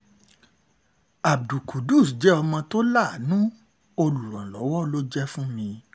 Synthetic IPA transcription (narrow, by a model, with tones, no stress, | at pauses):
a˨bdu˨kʰu˨du˦˨sd͡ʒɛ˨˦ɔ˧mɔ̃˧to˦la˦˨nũ˦ | o˧lu˨ɾã˨lɔ˨˦wɔ˦lo˦d͡ʒɛ˦fũ˦mĩ˧